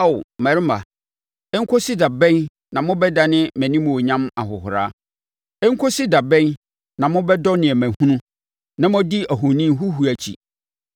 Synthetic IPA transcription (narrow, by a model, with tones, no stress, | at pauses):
a˦˨wmæ˨ɾɪ˦ma̰˨ | ɛ˦ŋ̩˦kʰo˦sɪ˦da˨bɛ̃˦n | nã˨mʊ̃˦bɛ˦da˨nɪ̃˦mæ̃˨nĩ˦mũ˨o˨ɲã˦ma˨ɦʊ˨ɦʊ˨ɾa̰˦ | ɛ˦ŋ̩˦kʰo˦si˦da˨bɛ̃˦n | nã˨mʊ̃˦bɛ˦dɔ˦nɪ̃˨ɛ˨mæ̃˨hũ˦nʊ̃˦ | nã˦mʊ̃˦di˦æ˨ɦʊ̃˨nĩ˦m˦ɦu˦ɦu˨æ˨t͡ɕʰḭ˨